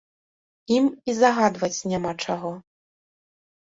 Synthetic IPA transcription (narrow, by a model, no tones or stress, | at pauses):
imizaɣad̪vɐt͡sʲnʲamat͡ʂaɣɔ